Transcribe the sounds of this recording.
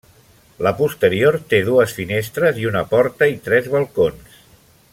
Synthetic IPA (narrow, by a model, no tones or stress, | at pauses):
ləpust̪əɾioɾt̪eð̞uəsfinest̪ɾəziunəpɔɾt̪əit̪ɾɛzβəlˠkons